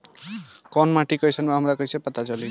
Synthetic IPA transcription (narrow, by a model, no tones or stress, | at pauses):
kʌnmaʈikʌjsʰʌnbaɦʌmɾakʌjsʰepʌt̪at͡sʌli